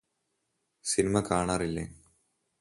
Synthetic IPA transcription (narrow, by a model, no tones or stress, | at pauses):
sinimɐkaːɳaːrilːeː